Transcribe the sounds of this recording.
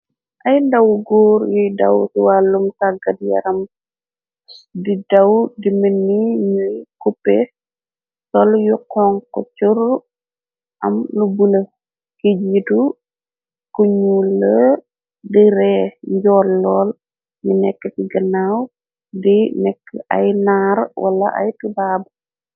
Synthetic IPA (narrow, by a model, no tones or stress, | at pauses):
ʔɐjndɐwɡuːɾjujdɐwtiwaːlːumtaɡɐdjɐ̰ɾɐm | didɐwdimənːiɲujkupːe | sɔljuqɔːŋkɔ̰t͡ʃur | ʔɐmnubulə | kid͡ʒidu | kuɲulːə | diɾɛɲɟɔːlːɔːl | ɲunɛkːətiɡɐnaw | dinɛkːʔɐ̰jnaːɾwʔɐ̰lːɐ̰ʔɐ̰jtubaːb